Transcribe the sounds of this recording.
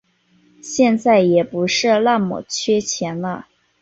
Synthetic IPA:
ɕjɛ˥˧nt͡sa˥˩ɪjɛ˨˩pu˧˥ʂɻ̩˥˧la˥˩nmɔ̰˨˩t͡ɕʰɥɛ˥t͡ɕʰjɛ˧˥nlə˧

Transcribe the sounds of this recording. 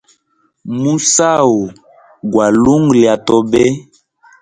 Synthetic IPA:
mu˦sa˦wo˨ | ɡwa˨lu˦ŋɡli˨a˨tɔ˦bɛ˦

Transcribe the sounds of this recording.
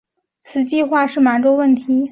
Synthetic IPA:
t͡sʰɹ̩˨˩t͡ɕi˥˧xwa˥˧ʂɻ̩˥˩ma˧˥nʈ͡ʂo˥ʊwə˥˩nt̪ʰi˧˥

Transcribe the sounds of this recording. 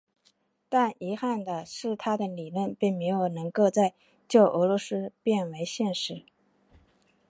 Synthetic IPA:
t̪a˥˩ni˧˥xa˥˩nd̪ə˩ʂɻ̩˥˩t̪ʰa˥d̪ə˨li˨˩lwə˥˧npi˥˩ŋme˧˥ɪjo˨˩ʊnɤ˧˥ŋko˥˧ʊt͡sa˥˧ɪ | t͡ɕjo˥˩ʊʔɤ˧˥lwɔ˧˥sɹ̩˥pjɛ˥˩nwe˧˥ɪɕjɛ˥˩nʂɻ̩˧˥

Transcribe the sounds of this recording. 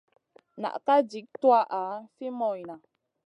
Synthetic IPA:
na̰˨ʔta˦d͡ʒi˨˦k̚t̪wa˦ʔa˨˦fi˦mɔ˨jna˨

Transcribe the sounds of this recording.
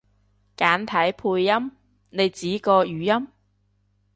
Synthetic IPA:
kaː˨˥nt̪ʰɐ˨˥jpʰuː˧jːɐ˥m | ne˨˧jt͡siː˨˥kɔː˧jyː˨jɐ˥m

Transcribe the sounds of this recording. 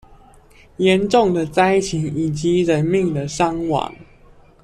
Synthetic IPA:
jɛ˨˦nʈ͡ʂʊ˥˨ŋd̪ə˨t͡sa˥˦ɪt͡ɕʰi˨˦ŋi˨˩t͡ɕi˨˦ɻə˨˦nmi˥˨ŋd̪ə˨ʂɑ˦ŋwɑ̰˨˩˦ŋ

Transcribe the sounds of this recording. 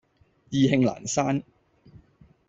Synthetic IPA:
jiː˨˧hɪ˧ŋla̰ː˨˩nsaː˥n

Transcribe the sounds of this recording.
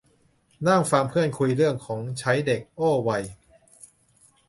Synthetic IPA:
naː˥˩ŋfaː˧mpʰɯ˥˩ənkʰu˧jɾɯ˥˩əŋkʰɔː˩˦ŋt͡ɕʰa˦˥jde˨˩k̚ʔoː˥˩wa˧j

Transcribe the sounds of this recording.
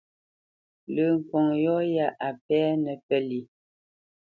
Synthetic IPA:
lə˨ŋ̩˨kɔ˨ŋjɔ˦ja˦ʔa˨pɛː˦nə˨pɛ˦li˨

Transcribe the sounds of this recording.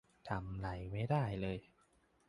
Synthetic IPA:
t̪ʰa˧mla˩˦jma˥˩jdaː˥˩jlɤː˧j

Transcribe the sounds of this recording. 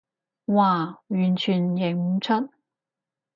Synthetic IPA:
waː˨˩ɥyː˨˩nt͡ʃʰyː˨˩njɪ˨˩ŋm̩˨˧˥t͡ʃʰə˥t̚

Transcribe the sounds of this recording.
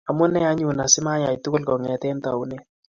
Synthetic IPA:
a˨mʊ˦nɛ˦a˦ɲu˨na˨sɪ˦ma˦ja˨jtʊ˦kʊ˦lkɔ˨ŋɛ˨tɛ˦nta˨u˦ne˦

